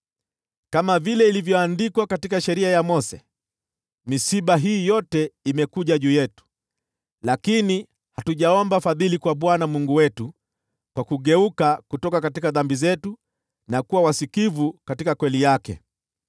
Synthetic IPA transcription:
kamavilɛilivjɔandikwakatikaʃɛɾiajamɔsɛ | misiɓaɦiːjɔtɛimɛkuʄaʄuːjɛtu̥ | lakini | hatuʄaɔmbafaðilikwaɓwanamuŋɡuwɛtu | kwakuɠɛukakutɔkakatikaðambizɛtu | nakuwawasikivukatikakwɛlijakɛ̰

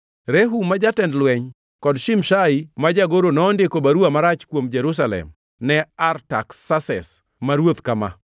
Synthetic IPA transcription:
ɾeɦumad͡ʒatɛndlwɛɲ | kɔdʃimʃaɪmad͡ʒaɡoɾonɔːndɪkobaɾuamaɾat͡ʃkwomd͡ʒɛɾus̬alɛ̰m | nɛarta̰ksasɛ̰s | maɾwot̪kama̰

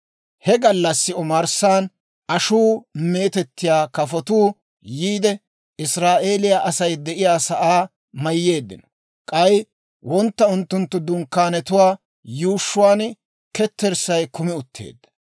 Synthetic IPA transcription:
hɛɡɐlːɐsːɪɔmɐɾsaːn | ʔɐʃuːme̞ːt̪ɛt̪ːɪjaːkɐfɔt̪uː | jiːd̪ɛ | ɪsɾaːʔe̞ːlɪjaːʔɐsɐjd̪ɛʔɪjaːsɐʔaː | mɐjːe̞ːd̪ːɪ̰nɔ | kʼɐj | wʔɔnt̪ːɐʊnt̪ːʊnt̪ːʊd̪ʊŋkːaːnɛt̪ʊwaː | juːʃːʊwaːn | kɛt̪ːɛɾsɐjkʊmɪʊt̪ʰːḛːd̪ːɐ

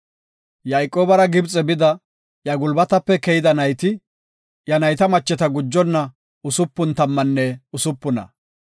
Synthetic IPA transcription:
jɐjkʼːoːbɐɾɐɡɪbt͡sʼɛbɪd̪ɐ | jɐɡʊlbɐt̪ɐpːɛkɛjɪd̪ɐnɐjt̪ɪ | jɐnɐjt̪ɐmɐt͡ʃːɛt̪ɐɡʊd͡ʒːɔnːɐ | ʊsʊpːʊnt̪ɐmːɐnːɛʊsʊpːʊnɐ̰

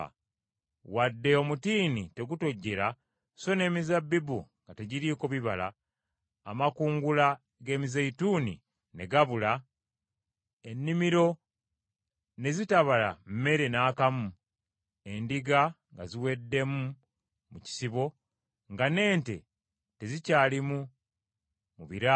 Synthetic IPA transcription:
wadːe̞o̞mutiːnite̞ɡuto̞ɟːe̞ɾa | so̞ne̞ːmizabːibuŋɡate̞ɟiɾiːko̞βiβala̰ː | makuːŋɡula | ɡe̞ːmizeituːnḭ | ne̞ɡaβula | enːimiɾo̞ | ne̞zitaβala̰m̩me̞ɾenaːkamu | e̞ndiɡa | ŋɡa̰ziwe̞dːe̞mu | muci̥siβo̞ | ŋɡane̞ːnte̞̰ | te̞zicaːlimu | muβiɾa

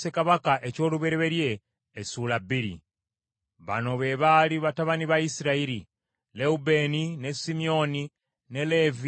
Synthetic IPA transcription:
se̞kaβakaʔeco̞ːluβe̞ɾeβe̞ɾje̞ː | sulabiɾḭ | βa̰no̞βe̞βaliβataβaniβaisiɾaiɾi | leube̞nine̞simio̞ni | ne̞le̞vi

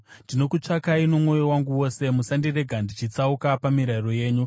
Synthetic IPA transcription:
ndino̞kut͡ʂakaino̞mo̞jowaŋɡuwo̞se̞musandire̞ɡʱandit͡ʃit͡saukapamiɾairo̞je̞ːɲu

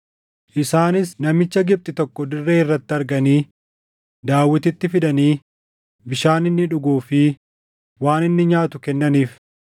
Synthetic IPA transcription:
ʔɪsaːnɪsnɐmɪt͡ʃːɐɡɪb̚t̪ʼɪt̪ɔkːɔd̪ɪrːe̞ːɪrːɐt̪ːɪɐɾɡɐniː | d̪aːwːɪt̪ɪt̪ːɪfɪᶑɐniː | bɪʃaːnɪnːɪᶑʊɡuːfɪ | waːnɪnːɪɲaːt̪ʊkɛnːɐniːf

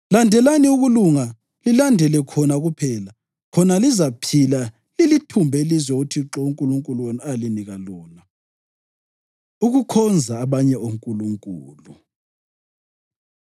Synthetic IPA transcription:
landʱɛlaniuɣuluŋa | lilandʱɛlɛkʰɔnaɣupʰɛːla | kʰɔnalizapʰila | lilitʰumbʱelizwɛuɣutʰiǁɔuŋkʼuluŋkʼuluwɔnaliniɣalɔːna | uɣukʰɔnd͡zʱaːβaɲɛoŋkʼuluŋkʼuːlu

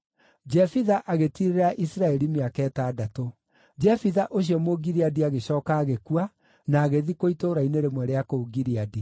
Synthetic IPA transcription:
d͡ʒɛfiðaʔaɣetiɾeɾaʔisɾaɛɾimeakɛːtaːdato | d͡ʒɛfiðaʔoɕ̬iɔmoɡiɾiadiaɣeɕɔːkaːɣekua | naːɣeðikoitoɾaineɾemwɛɾeakooɡiɾiadi

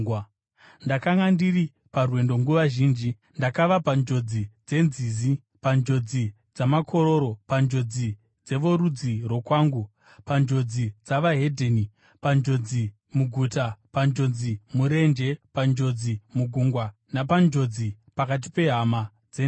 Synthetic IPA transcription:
ndakaŋɡandiɾi | parwe̞ndo̞ŋɡuʋaʒiːnd͡ʒi | ndakaʋapand͡ʒo̞d͡zid͡ze̞nziːzi | pand͡ʒo̞d͡zi | d͡zamakʰo̞ɾo̞ɾo̞pand͡ʒo̞d͡zi | d͡ze̞ʋo̞ɾud͡ziro̞kwaːŋɡu | pand͡ʒo̞d͡zid͡zaʋaɦe̞dʱeni | pand͡ʒo̞d͡zi | muɡʱutapand͡ʒo̞d͡zimuɾe̞nd͡ʒe̞pand͡ʒo̞d͡zimuɡʱuŋɡwa | napand͡ʒo̞d͡zi | pakat̬i̥pe̞ɦama | d͡ze

